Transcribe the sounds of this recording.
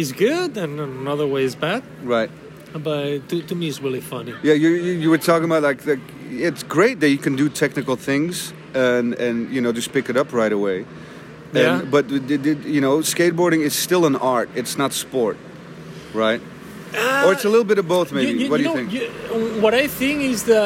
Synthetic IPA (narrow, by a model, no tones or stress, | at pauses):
ɨzɡʊdɨ̃ñnənʌðə˞weɪɨzbæd̥̚ɹaɪt̚ | bʌtɨtʰɨmiɨtsɹɪlˠifʌnijæjɨjɨjɨwə˞tʰɔkɪ̃ŋəbaʊt̚ˡlaɪklaɪk | ɪtsɡ̥ɹeɪt̪̚ðɨt͡ʃɨkʰɨ̃n̩dɨtʰɛk̚nɨkl̩ˠθɪ̃ŋz | ʌ̃nɨ̃njɨñoʊd͡ʒʌspɪkɨɾʌpʰɹaɪɾəweɪ | ɨ̃nbʌt̚ðɨɨjɨnoʊskeɪt̚b̥ɔɹɾɪ̃ŋɨz̥stɪlˠə̃nɑɹtɨtsnətspɔɹt̚ | ɹaɪt̚ | ə˞ɨtsəlɪɾl̩ˠbɪɾʌvboʊθmeɪbiwʌt̚ddɨɪ̃ŋkwʌɾaɪθɪ̃ŋkɪzðə